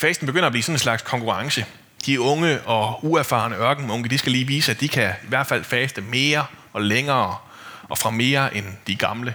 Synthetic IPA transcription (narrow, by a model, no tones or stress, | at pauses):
fɛːsd̥n̩beɡ̥øn̰ɐːb̥liːsɒ̽nen̩slɑ̈ɡ̥skʰɒ̽ŋkʰuʁɑ̈ŋsə | d̥iɔ̽ŋəʔɒ̽uæɐfɑ̰̈ːnəɶɐɡ̥n̩mɔ̽ŋɡ̥əd̥isɡ̥æliːʋiːsəæd̥ikʰæiʋæɐ̰d̥fæl̰fɛːsd̥əme̝ːɐ | ɒ̽leŋɐː | ʔɒ̽fʁɑ̈me̝ːɐʔend̥iɡ̥ɑ̈mlə